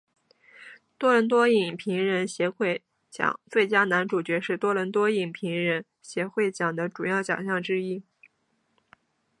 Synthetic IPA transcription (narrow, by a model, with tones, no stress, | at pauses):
t̪wɔ˥lə˧˥nt̪̬wɔ˥i˥˨˩ŋpʰi˧˥ŋɻə˧˥nɕjɛ˧˥xwe˥˩ɪ | t͡ɕjɑ̰˨˩˦ŋt͡swe˥˩ɪt͡ɕja˥na˧˥nʈ͡ʂu˨˩t͡ɕɥɛ˧˥ʂɻ̩˥˧t̪wɔ˥lə˧˥nt̪wɔ˥i˥˩ŋpʰi˧˥ŋɻə˧˥n | ɕjɛ˧˥xwe˥˩ɪt͡ɕjɑ˨˩ŋd̪ə˦ʈ͡ʂu˨˩jɑ˥˩ʊt͡ɕjɑ̰˨˩ŋɕ̬jɑ˥˩ŋʈ͡ʂɻ̩˥i˥